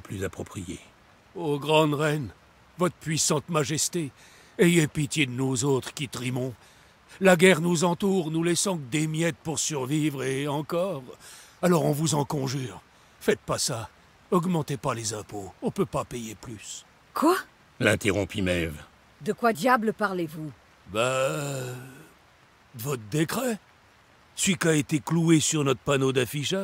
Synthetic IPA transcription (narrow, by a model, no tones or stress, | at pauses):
ɔ̃plyzapχɔpχijḛ | oɡʁɑ̃d̪ʁɛn | vɔt̪χəpɥisɑ̃t̪maʒɛst̪e | ɛjɛpit̪jed̪ənuzot̪χə̥kʲit̪ʁimɔ̃ | laɡʲɛʁnuzɑ̃t̪uʁnulɛsɑ̃kd̪emjɛt̪̚puʁsyʁvivʁeɑ̃kɔʁalɔʁɔ̃vuzɑ̃kɔ̃ʒyʁ | fɛt̪̚pasa | ɔɡmɑ̃t̪epalezɛ̃poɔ̃pøpapejeplys | kwa | lɛ̰̃t̪eʁɔ̃pimɛv | d̪əkwad̪jabləpaʁlevu | ba | d̪əvɔt̪χd̪ekχɛ | sɥikaet̪ekluesyʁnɔt̪χəpanod̪afiʃa